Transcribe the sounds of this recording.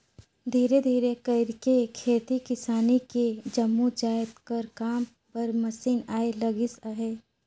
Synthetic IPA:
d̪ʱiːɾed̪ʱiːɾekəɪɾkekʰeːt̪ikɪsaːniked͡ʒɐmːud͡ʒaːɪt̪kɐɾkaːm | pɐɾmɐsiːnaːelɐɡɪsaɦeː

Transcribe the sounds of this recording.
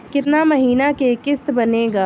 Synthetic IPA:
kɪt̪namɐɦiːnakekɪst̪bɐneːɡaː

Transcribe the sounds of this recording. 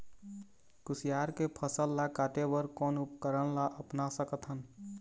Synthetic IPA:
kʊsijaːɾkepʰəsəlːakaːt̪ebəɾkɔːnʊpkəɾənlaʔəpnasəkət̪ɦən

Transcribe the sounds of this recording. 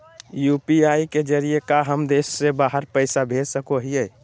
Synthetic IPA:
jupiaiked͡ʒəɾijekaɦəmd̪esːebaɦəɾpəɪsabʱed͡ʒsəkoɦijəj

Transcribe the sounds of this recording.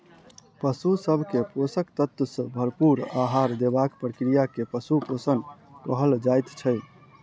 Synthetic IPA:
pəsusəbʱkeposəkt̪ət̪əsə̃bʱəɾpuɾaɦaɾd̪ebakpɾəkɾijakepəsuposənkəɦəld͡ʒajt̪t͡ʃʰəɪ

